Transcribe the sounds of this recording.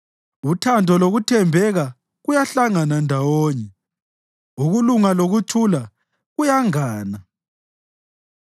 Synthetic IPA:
utʰandʱɔloɣutʰɛmbʱɛɣa | ɣujaɬaŋanandʱawoːɲɛ | uɣuluŋaloɣutʰula | ɣujaŋaːna

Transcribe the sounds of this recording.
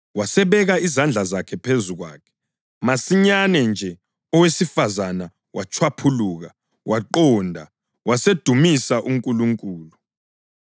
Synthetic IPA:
wasɛβɛɣaizand͡ɮʱazakʰɛpʰezuɣwa̰ːkʰɛ̥ | masiɲanɛnd͡ʒʱɛ | ɔwesifazana | wʔat͡ʃʰwapʰuluɣa | waǃɔndʱa | wased̥ʱumisaʔuŋkʼuluŋkʼuːlu

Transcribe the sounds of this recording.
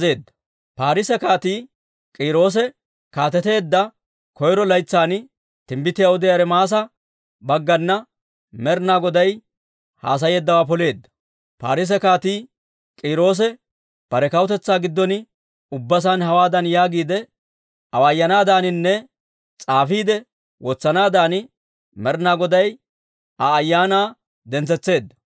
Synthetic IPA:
e̞ːd̪ːɐ̥ | paːɾɪsɛkaːt̪iː | kʼiːɾo̞ːs̬ɛ | kaːt̪ɛt̪e̞ːd̪ːɐ | kɔjɾɔlɐjt͡sːaːn | t̪ɪmbɪt̪ːɪjawɔd̪ɪjaːɾɛmaːs̬ɐ | bɐɡːɐnːɐ | mɛɾnaːɡɔd̪ɐj | ha̰ːs̬ɐjeːd̪ːɐwaːp̬ɔle̞ːd̪ːɐ̥ | paːɾɪs̬ɛkaːt̪iː | kʼiːɾo̞ːs̬ɛ | pɐɾɛkɐwt̪ɛt͡sːaːɡɪd̪ːɔnɪ | ʊbːɐs̬anhɐwaːd̪ɐnjaːɡiːd̪ɛ | ʔɐwaːjːɐnaːd̪aːnɪnːɛ | t͡sʼaːfiːd̪ɛ | wɔt͡sːɐnaːd̪aːnɪ | mɛɾnaːɡɔd̪ɐj | ɐːjːaːnaː | d̪ɛnt͡sɛt͡sːe̞ːd̪ːɐ

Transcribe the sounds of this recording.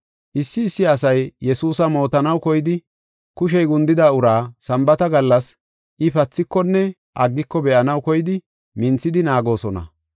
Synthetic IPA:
ʔɪsːɪːsːɪɐs̬ɐjjɛsuːsɐmo̞ːt̪ɐnɐwkɔjɪd̪ɪ | kʊʃɛjɡʊnd̪ɪd̪aːʊɾaːsɐmbɐt̪ɐɡɐlːɐs | ʔɪpɐt͡sːɪkːɔnːɛ | ʔɐɡːɪkːɔbɛʔɐnɐwkɔjɪd̪ɪ | mɪnt͡sːɪd̪ɪnaːɡo̞ːsɔnɐ̰

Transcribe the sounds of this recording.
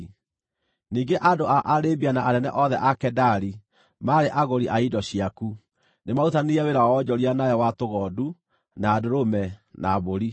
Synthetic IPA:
niːŋɡeʔadoaʔaɾebianaʔaɾɛnɛ̰ʔɔðɛʔakɛdaɾi | maɾeʔaɣoɾiʔaidɔɕiaku | nemautaniɾɛweɾaɔd͡ʑɔɾianajɔwatoɣɔːdu | naːdoɾomɛnaβoɾi

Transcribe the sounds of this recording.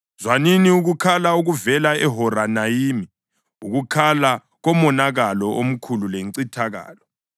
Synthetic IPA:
zwaniniuɣukʰalauɣuvɛlaɛɦɔɾanajiːmi | uɣukʰala | ɣɔmɔnaɣalɔʔom̩kʰululeŋǀitʰaɣa̰ːlɔ

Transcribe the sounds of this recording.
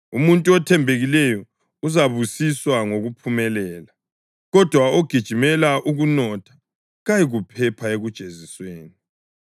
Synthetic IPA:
umuntʼuɔtʰɛmbʱeɣilɛjɔ | uzaβusiswaŋoɣupʰumɛlɛːla | ɣɔd̥ʱwaoɡ̥ʱid̥ʒ̥ʱimɛlaʔuɣunɔtʰḁ | ɣajiɣupʰɛpʰaeɣud̥ʒ̥ʱezisweːni

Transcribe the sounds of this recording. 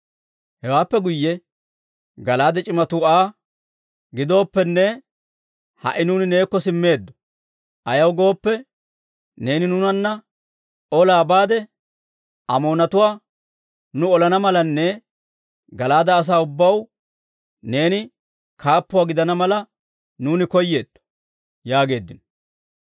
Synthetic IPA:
hɛwaːpːɛɡʊjːɛ | ɡɐlaːd̪ɛt͡ʃʼɪmɐt̪uaː | ɡɪd̪o̞ːpːɛnːɛ | hɐ̰ʔɪnuːnɪne̞ːkːɔsɪmːe̞ːd̪ːɔ̥ | ʔɐjɐwɡo̞ːpːɛ | ne̞ːnɪnʊnɐnːɐ | ɔlaːbaːd̪ɛ | ʔɐmo̞ːnɐt̪ʊwaː | nʊɔlɐnɐmɐlɐnːɛ | ɡɐlaːd̪ɐːs̬aːʊbːɐw | ne̞ːnɪ | kʰaːpːʊwaːɡɪd̪ɐnɐmɐlɐ | nuːnɪkɔjːe̞ːd̪̥ːɔ̥ | jaːɡe̞ːd̪ːɪnɔ̥

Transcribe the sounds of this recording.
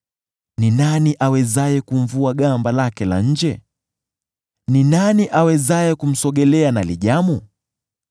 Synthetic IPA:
ninaniʔawɛzajɛkuɱ̩vuaɠambalakɛla̰ɲ̩d͡ʒɛ | ninaniʔawɛzajɛkum̩sɔɠɛlɛanaliʄamu

